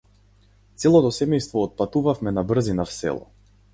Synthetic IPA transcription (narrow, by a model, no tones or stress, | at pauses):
t̪sɛlˠɔt̪ɔsɛmɛjst̪vɔːt̪̚pat̪uvafmɛnabr̩zinafsɛ̰lˠɔ̰